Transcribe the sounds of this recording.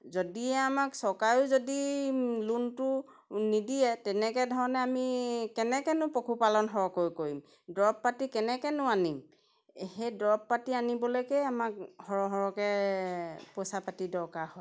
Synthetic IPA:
zodiɛamaksɔkajʊzodiluntʊ | nidijɛtɛnɛkɛdʱɔɹɔnɛamikɛnɛkɛnʊpokʰupalɔnɦɔɹɔkojkoɹim | dɹɔpːatikɛnɛkɛnʊanim | hejdɔp̚ːatianibɔlojkɛjamak̚hɔɹɔɦɔɹɔkɛ | pɔsapatidɔɹkaɹhɔj

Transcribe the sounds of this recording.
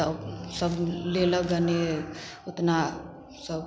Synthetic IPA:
əbsəbleləɡəne | ot̪na | səb

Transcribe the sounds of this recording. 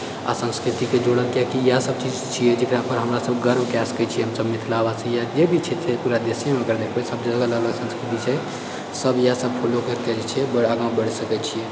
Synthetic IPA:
a̰sə̃nskɾit̪iked͡ʒoɽənk̪jakijasəb̚t͡ʃid͡ʒt͡ʃʰijɛd͡ʒekɾapəɾɦəmɾasəbɡəɾmkaskɛt͡ʃʰiɛɦəmsəbmit̪ʰlabasə̃jad͡ʒebʱit͡ʃʰɛt͡ʃʰɛpuɾad̪esjẽmeəɡəɾd̪ekʰbɛsəbd͡ʒəɡələɡləɡsə̃nskɾit̪it͡ʃʰɛ | səbjasəbpʰolokekɛɾɛt͡ʃʰɛbəaɡãw̃bəɽsəkɛt͡ʃʰijɛ

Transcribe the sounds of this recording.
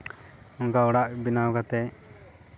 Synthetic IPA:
ɔŋkaɔɽaʔbinakat̪ɛ

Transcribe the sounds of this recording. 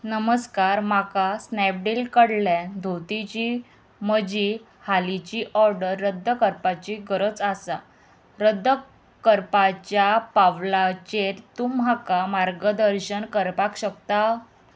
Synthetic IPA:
nəməskaɾmakasnɛp̚ɖilkəɽljad̪ʱowt̪it͡ɕi | məd͡ʑi | halit͡ɕiʔɔɾɖəɾːəd̪ʱːəkəɾpat͡ɕiɡəɾət͡sasa | ɾəd̪ʱːə | kəɾpat͡ɕjapaʋlat͡ɕeɾt̪umɦakamaɾɡəd̪əɾɕənkəɾpakɕəkt̪a

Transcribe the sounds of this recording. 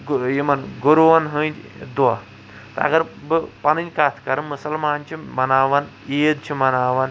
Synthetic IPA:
jimɐnɡuɾuʋɐnɦɨd̪ɐ | t̪ɐɐ̰ɡɐɾbɨpɐnɨnʲkat̪ʰkɐɾɨnmusɐlmaːnt͡ʃʰimɐnaːʋɐn | eːd̪t͡ʃʰimɐnaːʋɐn

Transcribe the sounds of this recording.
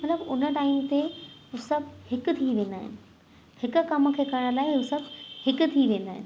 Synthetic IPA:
mɐt̪ləbʊnəʈaːimt̪eɦʊsɐbhɪk̆t̪ʰiʋẽːnd̪a̰ːɦɪ̰nɪ̆ | hɪk̆kɐməkʰeːkɐɾɽ̃əlaːɦɪɦʊsəbhɪk̆t̪ʰiʋẽːnd̪aːɦɪ̰nɪ̆

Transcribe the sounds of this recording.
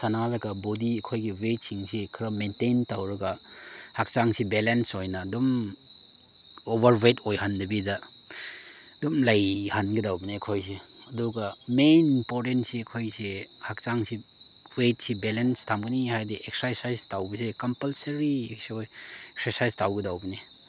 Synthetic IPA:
sɐnazɐɡɐbodiɐkʰojɡiwet̚siŋsikʰɾɐmentejntawɾɐɡɐ | hak̚t͡ʃaŋsibelensojnɐdum | obɐɾwetojhandɐbidɐ | dumlajhanɡidawbiniɐkʰojse | ɐduɡɐmenimpoɾtentsiɐkʰojsehak̚t͡ʃaŋsi | wet̚sibelenstʰamɡɐnihajdiʔeksaɾsajstawbɐsekɐmpɐlseɾieksoj | eksɐɾsajstawɡidawbine

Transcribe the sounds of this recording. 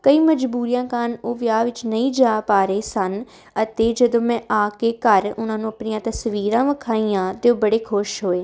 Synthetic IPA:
kəiːməd͡ʒbuːɾijãːkanoːʋjaːʋɪt͡ʃnəĩːd͡ʒaːpaːɾeːsən | ət̪eːd͡ʒəd̪õːmɛ̃ːʔaːkeːkəɾʊnãːnũːəpnijãːt̪əsʋiːɾãːʋəkʰaːĩːãːt̪eoːbəɽeːkʰʊʃɦoːeː

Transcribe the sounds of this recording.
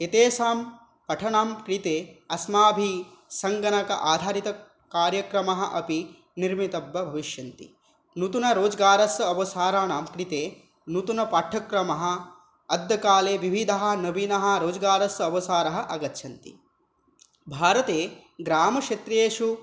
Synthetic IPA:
et̪eːsaːm | pɐʈʰɐɳaːmkɾit̪eːɐsmaːbʱisɐŋɡɐnɐkɐ̰ʔaːd̪ʱaːɾit̪ɐ | kaːɾjɐkɾɐmɐɦɐ̆ʔɐpi | niɾmit̪ɐbʋɐbʱɐʋiʃjɐnt̪ḭ | nut̪unɐɾoːd͡ʒɐɡaːɾɐsɐɐʋɐsaːɾaːnaːmkɾit̪eː | nut̪unɐpaːʈʰːɐkɾɐmɐɦɐ̆ | ɐd̪jɐkaːleːʋiʋʱid̪ʱɐɦɐ̆nɐbinɐɦɐ̆ɾoːd͡ʒɐɡaːɾɐsɐɐʋɐsaːɾɐɦɐ̆ʔɐɡɐt̪ːʃʰɐnt̪ḭ | bʱaːɾɐt̪eː | ɡɾaːmɐkʂɐt̪ɾeːʃu

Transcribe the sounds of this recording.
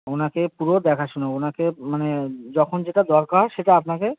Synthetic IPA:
onakepuɾod̪ɛkʰaʃuneonakemaned͡ʑɔkʰond͡ʑeʈad̪ɔɾkaɾʃeʈaapnake

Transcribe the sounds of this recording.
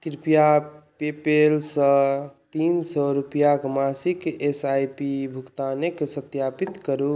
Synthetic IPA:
kɾipijapepelsə̃t̪insɔɾupijakmasikesajpibʱukt̪anekesət̪japit̪kəɾu

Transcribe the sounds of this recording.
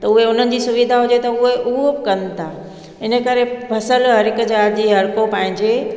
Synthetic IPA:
t̪ɐʊɦeʊn̤ənɪ̆d͡ʑiːsʊʋid̪ʱaɦʊd͡ʑet̪ɐʊɦeʔʊɦobɪkɐnt̪ʰa | ɪnə̆kəɾepʰɐsəlɦɐɾɪkd͡ʑaːɾd͡ʑiːɦɐɽkopɐ̃ɦɪ̃ɲd͡ʑe

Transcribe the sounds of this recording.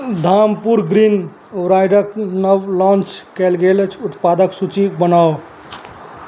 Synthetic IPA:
d̪ʱampuɾɡɾin | ɾajɖəknəwlɔ̃nt͡ʃkɛlɡelt͡ʃʰut̪pad̪əksut͡ʃibənao

